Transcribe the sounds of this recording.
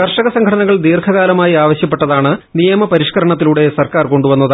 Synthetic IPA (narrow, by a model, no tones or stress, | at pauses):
kɐrʂɐɣɐsɐŋɡʰʱɐɽɐnɐɣɐɭd̪iːrkʰɐɣaːlɐmaːjiaːʋɐɕjɐpːeʈːɐðaːɳɨnijɐmɐpɐɾiʂkɐɾɐɳɐt̪̬ːiluɽe̞sɐrkaːrko̞ɳɖuʋɐnːɐð